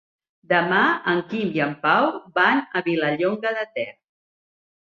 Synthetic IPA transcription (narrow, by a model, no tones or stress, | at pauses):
d̪əmaəŋkimiəmpawbanəβiləʎoŋɡəðət̪ɛr